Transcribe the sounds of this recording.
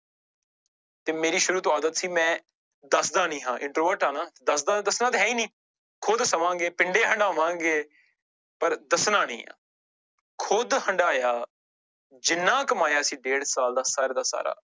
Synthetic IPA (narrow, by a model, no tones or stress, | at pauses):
t̪eːmeːɾiːʃʊɾuːt̪oːaːd̪ət̪siːmɛ̃ː | d̪əsd̪aːnĩːɦãːʔɪ̃ɳʈɾoːʋəɾʈaːnãːt̪ed̪əsd̪aːd̪əsnãːt̪eɦɛːiːnĩː | kʰʊd̪səmãːŋɡeːpɪɳɖeːɦəɳɖaːʋãːɡeː | pəɾd̪əsnãːnḭ̃ːã̰ː | kʰʊd̪həɳɖaːjaː | d͡ʒɪnːãːkəmaːjaːsiːɖeːɽsaːld̪aːsaːɾeːd̪aːsa̰ːɾa̰ː